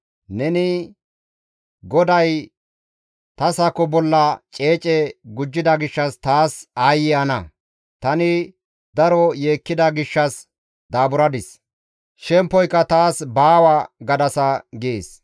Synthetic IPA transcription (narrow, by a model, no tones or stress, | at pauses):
nɛnɪ | ɡɔd̪ɐj | t̪ɐsɐkːɔbɔlːɐt͡ʃʼe̞ːt͡ʃʼɛɡʊd͡ʒːɪd̪ɐɡɪʃːɐst̪aːsaːjɪɐnɐ | t̪ɐnɪ | d̪ɐɾɔjeːkːɪd̪ɐɡɪʃːɐs | d̪aːbʊɾɐd̪ɪs | ʃɛmpːɔjkːɐt̪aːsbaːwɐɡɐd̪ɐsɐɡeːs